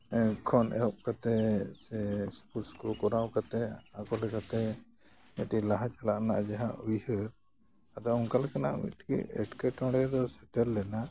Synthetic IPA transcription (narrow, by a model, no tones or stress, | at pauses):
kʰɔnʔɛ̰ɔʔkat̪ɛsɛspuʈskɔkɔɾawkat̪ɛakɔlɛkat̪ɛ | mɛʈilaɦãt͡ʃalaʔna̰ʔd͡ʒaɦaujhəɾ | ad̪auŋkalɛkana̰ʔḭʈʰkḭɛ̰ʈkɛʈɔ̃ɽɛd̪ɔsɛtɛlːɛna